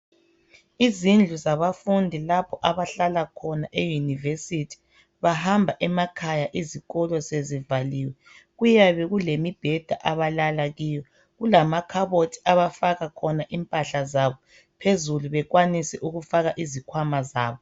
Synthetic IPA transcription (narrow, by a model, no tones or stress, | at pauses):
izind͡ɮʱuzaβafundʱilapʰɔʔaβaɬalakʰɔnaʔejunivesitʰi̥ | βahambʱaʔɛmakʰajaʔiziɣɔlɔsezivaliwɛ | ɣujaβɛɣulemib̥ʱɛd̥ʱaʔaβalalaɣijɔ | ɣulamakʰaβotʰi̥aβafaɣakʰɔnaʔimpʼaɬazaβɔ | pʰezuluβɛɣwanisɛʔuɣufaɣaʔizikʰwamazaːβɔ